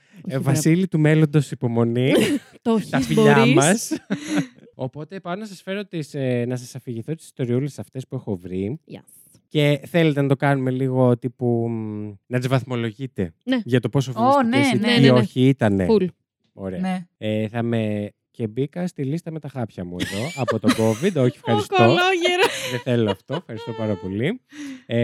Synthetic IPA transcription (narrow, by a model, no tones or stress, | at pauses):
vɐsilit̪ume̞lo̞nd̪o̞sipo̞mo̞niot̪ɐfiʎɐɾmmɐs | o̞po̞t̪epɐnɐsɐsfe̞ɾo̞t̪isnɐs̬ɐsɐfiʝiθo̞t̪i̥si̥st̪o̞ɾiulesɐft̪e̞spuexo̞vɾi | ce̞θe̞let̪enɐt̪o̞kɐnume̞liɣo̞t̪ipu | nɐt̪izvɐθmo̞lo̞ʝit̪e̞neʝɐt̪o̞po̞s̬ofsnsiteio̞çiit̪ɐnel | o̰ɾeeeθɐme̞ | ce̞bikɐst̪ilist̪ɐme̞t̪ɐxɐpçɐmueðo̞ʔɐpo̞t̪oɡo̞vid̪o̞çiefxɐɾistkooloʝeɾoðeθe̞loɐft̪oefxɐɾist̪o̞pɐɾɐpo̞lie